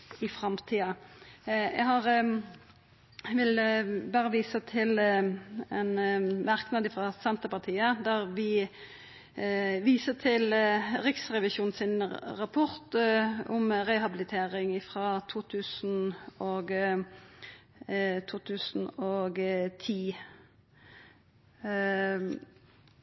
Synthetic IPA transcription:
ɪfɾɑmt̪ʰiːɑ | ɛ̰ɦɑːʁ | ʋɪlbɑːʁəʋiːsət̪ʰɪl | ɛnmɑʁknɑd̪ɪfʁɑsɛnt̪əpɑʁt̪ʰiːəd̪æʁʋɪ | ʋiːsət̪ʰɪlʁɪksʁɛʋɪʃuːnsɪnʁɑpʰɔʁt̪ɔmʁɛhɑbɪlɪt̪ʰeːʁɪŋɪfʁɑːt̪ʰuːt̪ʰʉːsn̩oːɡ | t̪ʰuːt̪ʰʉːsn̩oːɡt̪ʰiː

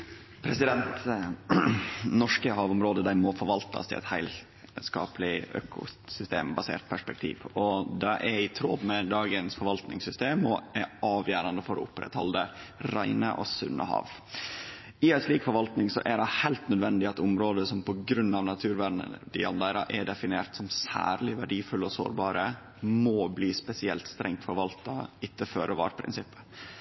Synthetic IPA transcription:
pʰɾɛsɪd̪ɛnt̪ | nɔʂkəhɑːʋʊmɾoːd̪əd̪æɪmɔfɔɾʋɑlt̪ʰɑ̰st̪ʰɪɛ̰t̪hæɪl | skɑ̰ːplɪø̰ːkʰʊ̰sʏst̪ḛːmbɑsḛːɾt̪̚pʰæʂpɛk̚t̪ʰḭːʋɔd̪ɑʔɛɾɪt̪ʰɾoːb̪mɛd̪ɑːɡənsfɔɾʋɑlt̪nɪŋsʏst̪eːmɔɛɾɑːʋjæːɾɑnd̪əfɔɾɔ̰ʊpɾɛ̰t̪hɔ̰ld̪əɾæɪnə̰ʔɔ̰sʉ̰nːə̰hɑ̰ːʋ | ɪɛt̪ʂliːkfɔɾʋɑlt̪nɪŋsɔ̰ʔæɖɛhæɪlt̪nœd̪ʋɛnd̪ɪɑt̪ʊmɾoːd̪əsɔmpʰɔɡɾʉnːɑʋnɑt̪ʰʉːɾʋæɳə̰d̪ɪɑnd̪eːɾɑʔɛɖɛfɪneːɾt̪sɔmsæ̰ːɾlɪʋæɖiːfʉlːɔso̰ːɾbɑːɾə | mɔbliːspɛsɪɛ̰lt̪st̪ɾɛŋt̪fɔɾʋɑlt̪ɑɪt̪ːəføːɾʔəʋɑ̰ːɾpʰɾɪ̰nsɪpːə̥

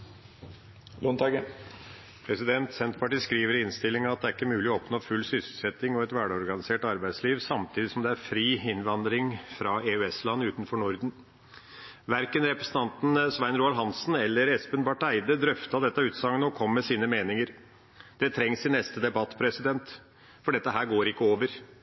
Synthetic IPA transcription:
lɔnt̪ɑɡə | pʰɾɛsɪd̪ɛnt̪sɛnt̪pʰɑʈiːskɾiːʋəɾɪɪnst̪ɪlːɪŋɑt̪̚d̪ɛæɾɪkːəmʉːlɪɔɔpnoːfʉlːsʏsl̩sɛt̪ːɪŋɔɛt̪ʋæːɖɔɾɡɑnɪseːʈɑɾbæɪsliːʋsɑmt̪ʰiːd̪ɪsɔmd̪ɛæɾfɾiːɪnʋɑnd̪ɾɪŋfɾɑeʉɛslɑnːʉːt̪nfɔɳʊɾd̪n̩ | ʋæɾkənɾɛpɾəsn̩t̪ʰɑnt̪n̩sʋæɪnɾuːɑlɦɑnsn̩ɛlːəɾɛspənbɑʈæɪd̪əd̪ɾœft̪ɑd̪ɛt̪ːɑʉːt̪sɑŋːənɔkʰɔmːɛsiːnəmeːnɪŋəɾ | d̪̥ɛt̪ʰɾɛŋsɪnɛst̪əd̪ɛbɑt̪ːpʰɾɛsɪd̪ɛnt̪ | fɔɖɛt̪ːəɦæːɾɡoːɾɪkːəoːʋəɾ

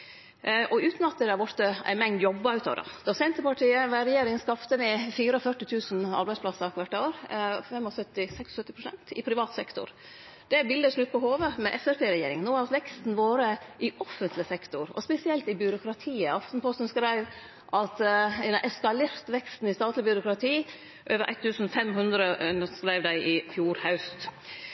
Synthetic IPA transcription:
ʔɔʉːt̪nɑt̪̚ːɛd̪æɾʋɔɾt̪əæ̰ɪnmɛŋd̪jɔbːəɑʉːt̪ʰɑ̰ʋɾɑ̰d̪̥ɑsɛnt̪əpɑʈʰiːəʋæɾɛjeːɾɪŋskɑft̪əmɪfiːɾɔfœʈːɪt̪ʰʉːsnɑ̰ɾbæɪsplɑsəɑkʋæʈːəoːɾfɛmːɔsœt̪ːɪsɛkssœt̪ːɪpɾʊsɛ̰nt̪ɪpʰɾɪʋɑːt̪sɛkt̪ʊ̰ɾ | d̪̥ɛbɪld̪əʂlʉt̪̚pɔhoːʋəmɛʔɛsæɾpeːɾɛjeːɾɪ̰ŋnoːɑt̪ʋɛkst̪n̩ʋoːɾəʔɪʔɔfənt̪lɪsɛkt̪ʊɾɔ̰spɛsɪɛlt̪ɪbʏɾʊkʰɾɑt̪ʰiːəɑft̪n̩pʰɔst̪nskɾæɪʋ | ʔɑt̪ɛʔɛskɑleːɾt̪ʋɛkst̪n̩ɪst̪ɑːt̪lɪbʏɾʊkɾɑt̪ʰiː | ʔøːʋəɾʔæ̰ɪt̪ʰːʉːsn̩fɛmɦʉnd̪ɾənəskɾæɪʋd̪æɪʔɪfjuːɾhɑʉst̪

